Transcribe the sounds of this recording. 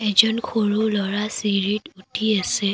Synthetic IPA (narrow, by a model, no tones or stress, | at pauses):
ɛzɔnkʰoɹulɔɹasiɹitutʰiasɛ